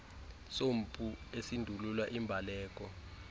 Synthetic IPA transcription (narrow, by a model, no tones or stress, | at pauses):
som̩pʼuesindʱululwaʔimbʱalɛːk̬ʼɔ